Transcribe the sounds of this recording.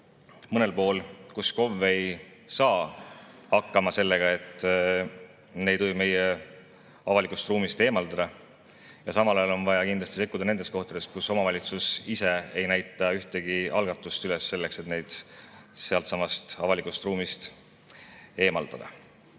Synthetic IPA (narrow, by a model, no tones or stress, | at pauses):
mɤne̞lpo̞ːlkusko̞vːe̞j | sɑː | ɑkːɑmɑse̞lːe̞ɡ̥ɑe̞t̪ːˑ | ne̞jd̪ojbme̞je | ɑvɑlikust̪ruːmist̪e̞ːmɑld̪ɑd̪̥ɑ | jɑsɑmɑlɑjɑlo̞nvɑjɑkind̪lɑst̪i̥se̞kːˑud̪̥ɑne̞nd̪e̞st̪ko̞ht̪ɑd̪e̞st̪kuso̞mɑvɑlʲit̪susise̞e̞jnæjt̪ːˑɑyht̪e̞ɡ̥iʔɑlɡ̥ɑt̪ːˑust̪yle̞sːe̞lːe̞kse̞t̪ne̞jd̪̥se̞ɑlt̪sɑmɑst̪ɑvɑlikˑust̪ruːmist̪ | e̞ːmɑld̪̥ɑd̪̥ɑ̰